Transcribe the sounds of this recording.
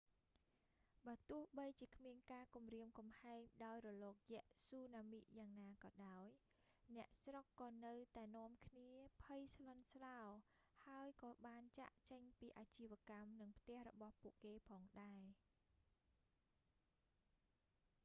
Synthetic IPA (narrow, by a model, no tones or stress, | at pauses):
ɓaːt̪ʊəhɓəjt͡ɕiəkʰmiənkaːkumriəmkɑmhaɛŋɗaɔjrɔlɔːk̚jɛ̆əʔsuːnaːmiʔjaːŋnaːkɑːɗaɔj | nɛ̆əʔsrokːɑːnɨwt̪aɛnŏəmkʰniəpʰəjslonsraɔ | haəjkɑːɓaːnt͡ɕa̰ʔt͡ɕəɲpiːʔaːt͡ɕiːʋɛ̆əkamnɨŋpʰt̪ɛ̆əhrɔɓɑhpuəʔkeːpʰɑːŋɗaɛ